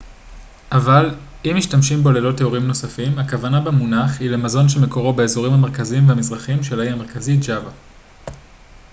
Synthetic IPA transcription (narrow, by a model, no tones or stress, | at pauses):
ʔaval | imiʃtamʃimbeolelo̞tːeoʁimno̞safimhakavanabemunaχhile̞mazo̞nʃe̞me̞ko̞ʁo̞be̞ezoʁimhameʁkaziimveamizʁaχimʃe̞laiame̞ʁkazid͡ʒava